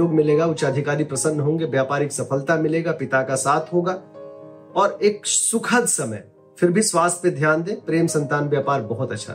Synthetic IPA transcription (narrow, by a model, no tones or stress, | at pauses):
oːɡmɪleːɡaʊt͡ʃaːd̪ʱɪkaːɾipɾɐsə̃nːɦõːŋɡeʋjaːpaːɾɪksɐfʰəlt̪amɪleːɡapɪt̪akasaːt̪ʰɦoːɡa | ɔːɾeːk̚sʊkʰəd̪sɐmə̰j | fɪɾbʱiswaːst̪ʰẽd̪ʱjaːnd̪ẽːpɾeːmsɐ̃nt̪aːnʋjaːpaːɾbɐɦʊt̪ɐtːʃʰa̰